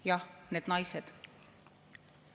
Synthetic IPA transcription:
jɑneːd̪nɑjsed̪̥

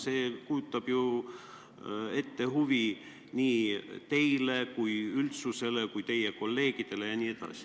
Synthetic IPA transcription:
se̞ːkujut̪ːˑɑb̥ju | e̞t̪ːe̞ɦuvi | niːt̪e̞jle̞kujylt̪suse̞lekujt̪e̞jeko̞lːe̞ːɡ̥id̪̥e̞le̞jɑnʲiːe̞d̪̥ɑ̰si̥

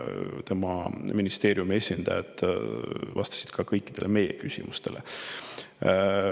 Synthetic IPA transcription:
t̪e̞mɑminist̪e̞ːɾjume̞sʲind̪ɑjɑ̰t̪ˑ | vɑst̪ɑ̥si̥d̪̥kʰɑkɤjkːˑid̪̥e̞lʔeme̞jḛkysʲḭmust̪e̞̰lʔḛ

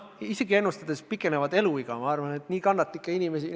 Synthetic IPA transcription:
ise̞ɡie̞nːust̪ɑd̪̥e̞spikːˑe̞nevɑd̪e̞luiɡ̥ɑmɑɑrvɑne̞t̪niːkɑnːɑt̪ːˑlikːˑeinʲime̞si

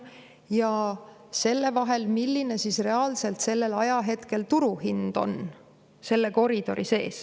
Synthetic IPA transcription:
jɑ | se̞lːe̞vɑɦe̞lmilːine̞sisre̞ɑːlse̞lt̪se̞lːe̞lɑjɑɦe̞t̪ke̞lt̪uɾuhind̪̥o̞̰n | se̞lːe̞ko̞ɾid̪̥o̞ɾise̞ːs

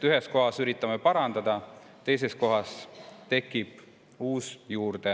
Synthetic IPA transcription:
yɦesko̞ɦɑsyɾit̪ːˑɑme̞pɑɾɑnd̪ɑd̪̥ɑ | t̪e̞js̬e̞sko̞ɦɑst̪e̞kːˑib̥ | uːsjuːrd̪̥e

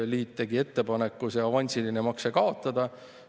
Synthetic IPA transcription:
liːt̪ːe̞ɡie̞t̪ːe̞pɑnekːusjɑvɑnʲsilinemɑksekɑo̞t̪ˑːɑd̪̥ɑ

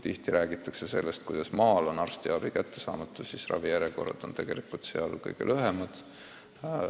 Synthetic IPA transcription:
t̪iht̪iɾʔæːɡit̪ːˑɑkse̞se̞lːe̞st̪̚kujd̥̪ɑsmɑːlo̞nɑrst̪iɑb̥ikæt̪ːe̞sɑ̰ːmɑt̪ːˑu̥sisrʔɑ̰vijæɾjeko̞̰rɑ̰d̪̥o̞nt̪e̞ɡ̥e̞likult̪sḛɑlkɤ̰jɡ̥ḛlʔøɦemɑd̪̥

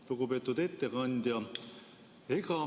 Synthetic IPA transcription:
luɡupeːt̪ːˑud̪et̪ːekɑnʲd̪ʲjɑ | ekɑ

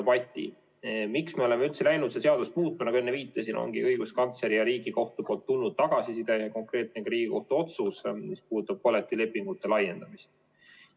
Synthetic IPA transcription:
pɑt̪ʲːˑḭ | miksme̞o̞le̞meylt̪se̞læjnud̪̥sese̞ɑd̪̥usmuːt̪ːˑunɑɡ̥enːeviːt̪ːˑɑsinʔo̰ŋɡ̥ḭɤjɡ̥uskɑnt̪se̞ɾijɑɾiːɡ̥iko̞ht̪upoːlt̪ːulnud̪̥̚t̪ːɑɡ̥ɑsisid̪ɑɑko̞ŋkre̞ːt̪̚neɡɑɾiːɡ̥iko̞ht̪uo̞t̪susmispuːt̪ːˑub̥̚kolet̪ːˑile̞pːˑiŋɡ̥ut̪ːˑe̞lɑjːe̞nd̪̥ɑmist̪

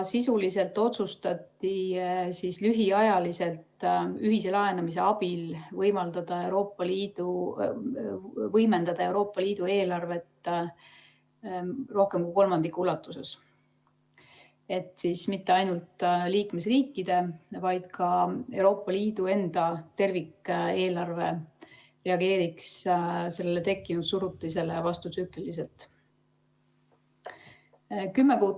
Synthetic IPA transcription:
sisulise̞lt̪ːˑo̞t̪sust̪ɑt̪ːˑisislyɦiɑjɑlise̞lt̪yɦise̞lɑe̞nɑmis̬e̞ɑb̥ilvɤjmɑld̪̥ɑd̪̥ɑe̞wɾo̞ːpːˑɑliːd̪̥u | vɤjme̞nd̪̥ɑd̪̥ɑe̞wɾo̞ːpːˑɑliːd̪̥ue̞ːlɑrve̞t̪ː | ro̞hke̞mkujko̞lmɑnd̪̥ikːˑulːɑt̪ːˑuse̞̰s | e̞t̪siːsmit̪ːe̞ɑjnult̪liːkme̞sriːkːid̪̥e̞vɑjd̪̥kʰɑe̞wɾo̞ːpːˑɑliːd̪̥ue̞nd̪̥ɑt̪e̞rvikːe̞ːlɑrve̞ | re̞ɑɡe̞ːɾiksse̞lːelet̪e̞kˑːinud̪̥suɾut̪ˑːlise̞levɑst̪ut̪syklilis̬e̞lt̪ˑ | kymːekuː

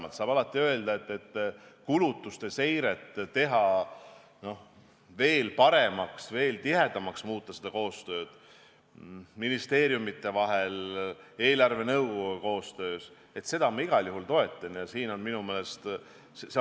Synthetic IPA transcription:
mɑlt̪sɑːb̥ɑlɑt̪ːˑiø̞e̞ld̪̥ɑe̞t̪ːe̞t̪ːkulut̪ːˑust̪e̞se̞jɾe̞t̪ˑːe̞ɦɑ | no̞h | ve̞ːlpɑɾe̞mɑksve̞ːlt̪iɦe̞d̪ɑmɑksmuːt̪ːˑɑsed̪̥ɑko̞ːst̪ø̞ːd̪̥ | minist̪e̞ːɾjumit̪ːˑe̞vɑɦe̞le̞ːlɑrve̞nɤwɡ̥oɡuko̞ːst̪ø̞ːs | e̞t̪se̞d̪̥ɑmɑiɡ̥ɑljuhɦult̪o̞e̞t̪ːˑɑnjɑsiːno̞nminumeːlest̪ | sese

